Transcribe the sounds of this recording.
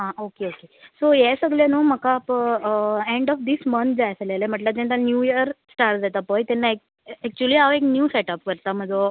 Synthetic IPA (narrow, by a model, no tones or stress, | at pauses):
ɦãokeokesojesəɡljanũːm̤əkap | eɳɖɔfd̪ismənt̪ʰd͡zajsəlalem̤əʈlat̪ɛ̃nt̪anjujəɾsʈaɾʈd͡zat̪apəjt̪jɛnːaek | ɛk̚t͡ɕuəliaʋeknjuːsɛʈap̚kəɾt̪am̤əd͡zo